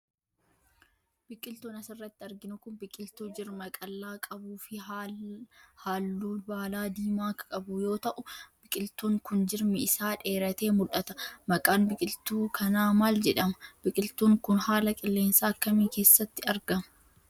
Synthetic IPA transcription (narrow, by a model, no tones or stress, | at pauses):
b̥ɪkʼːɪlt̪uːnɐsɪrːɐt̪ːɪɐɾɡɪnʊkʊnbɪkʼːɪlt̪uːd͡ʒɪɾmɐkʼɐlːaːkʼɐbuːfɪ | haːlːuːbaːlaːd̪iːmaːkɐ̥kʼɐbʊjo̞ːt̪ɐʔʊbɪkʼɪlt̪uːŋkʊnd͡ʒɪɾmɛɪsaːᶑe̞ːɾɐt̪e̞ːmʊlʔɐt̪ɐ̥mɐkʼaːnbɪkʼɪlt̪uːkʰɐnaːmaːld͡ʒɛᶑɐmɐb̥ɪkʼɪlt̪uːŋkʊnhaːlɐkʼɪlːe̞ːnsaːɐkːɐmiːke̞ːsːɐt̪ːɪɐɾɡɐmɐ